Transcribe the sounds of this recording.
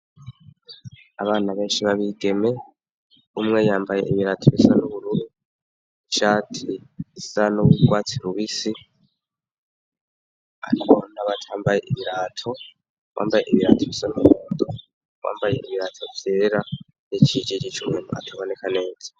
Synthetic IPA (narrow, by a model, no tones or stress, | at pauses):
aβaːnaβe̞ːnʃiβaβiɡe̞me̞ | umŋe̞jaːmbaje̞̰ʔiβiɾaːtʰoβisanuβuɾuɾu | iʃaːtʰiβisanoβwiɡwaːt͡siɾuβisi | a̰ɾikonaβatʰaːmbaje̞ʔiβiɾaːtʰo̞ | wʔa̰ːmbajeʔiβiɾa̰tʰoβisanuuββuːndo | wa̰ːmbaje̞̰iβiɾaːtʰo̞vjeːɾa | jet͡ʃid͡ʒid͡ʒit͡ʃumŋenua̰tʰaβo̞ne̞kʰane̞ːzḁ